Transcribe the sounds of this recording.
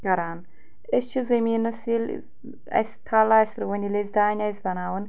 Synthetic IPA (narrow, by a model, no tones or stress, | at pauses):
kɐɾaːn | est͡ʃʰizɐmʲiːnɐsil | ɐ̰sʲt̪ʰaːlaːsʲɾɨwɐnʲilezʲd̪aːnʲɐsʲd̪ɐnaːwɐn